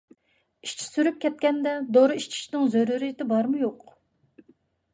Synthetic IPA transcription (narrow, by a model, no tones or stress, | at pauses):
iʃt͡ʃʰi̥syɾyp̚kʲɛt̪̚kʲɛnd̪ɛd̪oɾɨiʃt͡ʃʰi̥ʃnɪŋzøɾuɾit̪ɪbɑɾmujoq